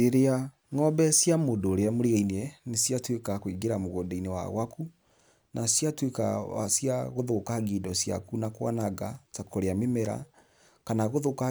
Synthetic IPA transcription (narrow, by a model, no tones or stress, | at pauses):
eɾea | ŋɔbɛsjamondoːɾeamoɾeainɛnesiatwekakoiɡeɾamoɣodɛinewa̰ɣwaku | nasjatweka̰asjaɣoðokaɣidɔsja̰kunakwa̰naɣatakoɾeamemɛɾa̰ | kanaɣoðoka